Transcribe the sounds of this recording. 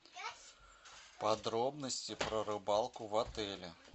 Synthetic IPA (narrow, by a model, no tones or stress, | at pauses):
pad̪ɾɔbnəsʲt͡sʲipɾɐɾɨbalˠkʊvat̪ɛlʲɛ